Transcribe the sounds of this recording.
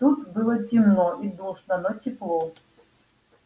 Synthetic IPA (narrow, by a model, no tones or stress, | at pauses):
t̪ut̪bɨlˠətʲimnɔʔid̪ɔʂnɐnɔtʲɪplˠɔ